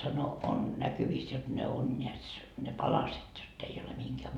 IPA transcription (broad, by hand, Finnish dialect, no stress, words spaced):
sɑno on nækyʋiːs jot ne on nʲeæts ne pɑlɑset jotː ei ole mihiŋkæː